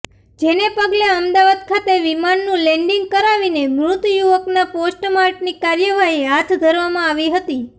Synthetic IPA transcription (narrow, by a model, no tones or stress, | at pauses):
d͡ʒenepəɡleəmd̪aʋad̪̚kʰat̪eʋimanːũlɛɳɖiŋɡ̚kəɾaʋinemɾʊt̪juʋəknaposʈmaɾʈnikaɾjəʋaɦiɦat̪ʰd̪ʱəɾʋamãaʋiɦət̪i